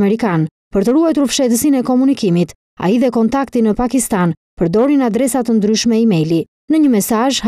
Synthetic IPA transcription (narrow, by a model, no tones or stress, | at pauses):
mɛɾikan | pəɾt̪əruajt̪uɾfʃɛt̪əsinɛkɔmunikimit̪ | a̰iðɛkɔnt̪akt̪inəpakist̪an | pəɾd̪ɔɾinad̪ɾɛsat̪ənd̪ɾyʃmɛimɛli | nəɲəmɛsaʒ